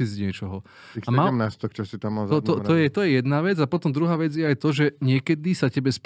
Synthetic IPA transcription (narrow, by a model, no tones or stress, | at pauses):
izɲɪɛt͡ʃɔɦɔ | iamaɛmnast̪ɔkt͡ʃɔsit̪amːalzɔtt̪ɔɔjjɛt̪ɔjɛjɛd̪naʋɛd͡zapɔt̪ɔmd̪ɾuɦaːʋɛd͡zjɛajt̪ɔʒɛɲɪɛkɛd̪isacɛbɛsp